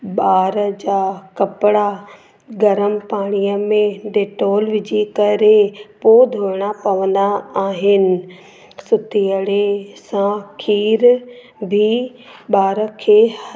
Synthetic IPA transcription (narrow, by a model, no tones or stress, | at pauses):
ɓaːɾəd͡ʑaːkɐpɪɽa | ɡɐɾəmpaːɽ̃ijəmẽɖeːʈoːlʋɪd͡ʑikɐɾepoːd̪ʱoːɾɪɽ̃apɐʋə̃nd̪aaːɦɪnɪ̆ | sʊt̪ʰijəɽesãkʰiːɾ | bʱi | ɓaːɾəkʰeː